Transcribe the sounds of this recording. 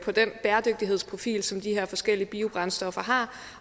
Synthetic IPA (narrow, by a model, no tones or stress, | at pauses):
pʰɒ̽d̥enb̥æːɐd̥øɡ̥̚d̥iɦe̝ð̰ˠspʰʁo̝fḭːlsɒ̽md̥iheɐ̰fɒ̽sɡ̥el̰iəb̥iːo̝b̥ʁɑ̈nsd̥ɒ̽fɐɦɑ̈ː